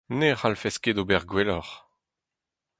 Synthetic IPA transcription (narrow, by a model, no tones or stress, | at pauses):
neχalfɛsked̪obɛʁɡwɛlɔʁ